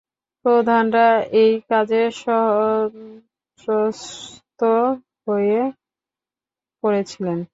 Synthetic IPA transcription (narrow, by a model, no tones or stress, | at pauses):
pɾod̪ʱanɾaejkad͡ʑeʃɔɦ | ɾost̪o | ɦoje | koɾet͡ɕʰilen